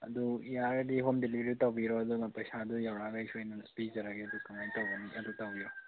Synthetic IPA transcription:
ɐ̰duijaɾɐdiɦomdelibeɾiutɐwbiɾɔɐdumapɐjsadujawɾaɡaisojnaspizɐɾaɡeɐdukamajtawɡɐniɐdutawbiɾɔ

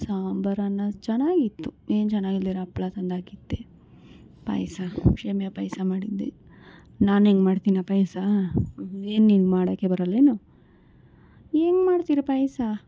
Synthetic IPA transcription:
saːmbɐɾanːɐt͡ʃɛnːaːɡit̪ːueːnt͡ʃɛnːaːɡilːiːɾɐːpːɭat̪ɐnd̪aːkit̪ːe | pɐ̰jsɐkʂeːmɛjɐpɐjsɐmaːɽid̪ːe | naːneːŋɡmaːɖt̪inapɐjsa | eːnːinɡmaːɽɐːkːebɐɾɐleːnu | eːŋɡmaːɽt̪iɾɐpɐjsa

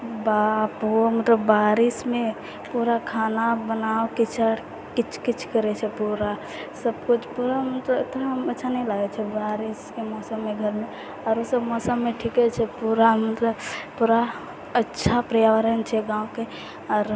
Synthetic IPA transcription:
bapomət̪ləbːaɾismẽ | puɾakʰanabənaːokit͡ʃʰ | kit͡ʃʰkit͡ʃʰkəɾɛt͡ʃʰɛpuɾa | səbkut͡ʃʰpuɾamət̪ləbɪt̪ɾaɦmətːʃʰanəɦĩlaɡɛt͡ʃʰɛbaɾiskemɔːsəmːeɡʱəɾme | ɔːɾosəbmɔːsəmːeʈʰikɛt͡ʃʰɛpuɾamət̪ləbpuɾa | ətːʃʰapɾəjaʋəɾənt͡ʃʰɛɡãːũke | ɔːɾ

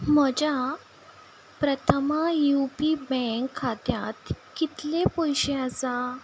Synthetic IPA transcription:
məd͡ʑja | pɾət̪ʰəmajupibɛ̃ŋkʰːat̪jat̪kit̪lepojɕeəsa

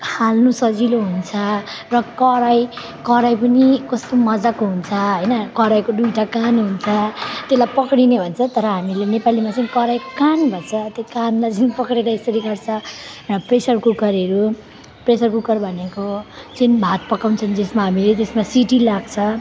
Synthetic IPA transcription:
halnusʌd͡ziloɦunt͡sʰʌrʌkʌɾaj | kʌɾajpʌnikʌst̪omʌd͡zakoɦunt͡sʰʌɦʌjnʌkʌɾajkodujʈakanɦunt͡sʰʌt̪eslajpʌkɽinebʱʌnt͡sʰʌt̪ʌɾʌɦamilenepalimat͡saĩkʌɾajkkanbʱʌnt͡sʰʌt̪ekanlajd͡zunpʌkɾeɾʌesʌɾiɡʌrt͡sʰʌpresʌrkukʌɾʌɾu | presʌrkukʌrbʱʌnekot͡sinbʱat̪̚pʌkawnt͡sʰʌnd͡zesmaɦamilet̪esmasiʈilaɡt͡sʰʌ

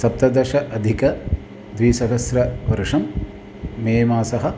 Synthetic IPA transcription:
sɐp̚t̪ɐd̪ɐʃɐʔɐd̪ʱikɐ | d̪ʋiːsɐɦɐsɾɐʋɐɾʂɐmː | eːmaːsɐɦɐ̆

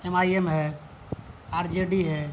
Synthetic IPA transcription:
emaːiemɦɛ | aːɾd͡ʒeɖiɦɛ

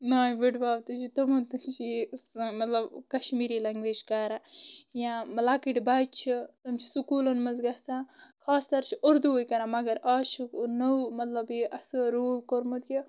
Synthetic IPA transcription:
naːibiʈbaːwt̪ɨt͡ʃʰit̪ɐmɐnt̪ɨt͡ʃʰimɐt̪lɐbkɐʃmiːɾilɐŋɡʋeːd͡ʒkaːɾajãmlaːkiʈbaːt͡ʃʰit̪ɐmt͡ʃʰi̥sukuːlɐnmɐzɡɐsãːkʰaːst̪ɐɾt͡ʃʰiʔɐɾd̪uojkɐɾãːmɐɡɐɾaːt͡ʃʰiknɐwmɐt̪lɐbiʔɐsɨɾuːlkoɾmɐt̪ji

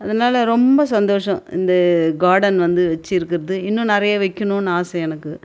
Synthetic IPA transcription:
ɐðɐnaːlɐɾɔmbɐsɐnd̪oːʂɐ̃ɪ̰nd̪ɐɡaːɾɖɐnʋɐnd̪ɯʋɛt͡ʃːɯjɪɾɯkːɪɾɐðɯɪnːʊ̃nɪɾɐjɐʋɛkʲːɐnʊ̃naːsɐjɛnɐkːɯ

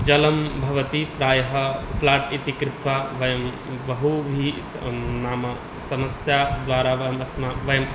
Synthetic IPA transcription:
d͡ʒɐlɐmbʱɐʋɐt̪ipɾaːjɐɦɐpʰlaːʈit̪ikɾɪt̪ʋaʋɐjɐm | ʋɐɦuʋʱi | naːmɐ | sɐmɐsjad̪ʋaːɾaʋmsmaʋɐjɐm

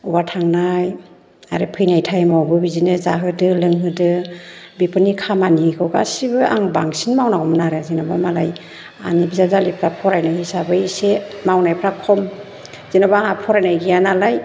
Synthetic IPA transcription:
ubatʰaŋnaj | a̰ɾɯpʰɯjnajtʰajmawbɯbizinɯzaɦɯdɯlɯŋɦɯdɯbipʰɯnikʰamanikʰɯwɡa̰sibɯʔa̰ŋbaŋsinmawnaɔmnaɾazinabamalaj | a̰nibizazalipʰɾapʰɔɾajnahisabɯisemawnajpʰɾakʰɔm | z̥inabaŋapʰɔɾajnajɡijanalaj

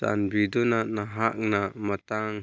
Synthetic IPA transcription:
ta̰nbid̪unaʔnaɦaʔ̚namat̪aŋ

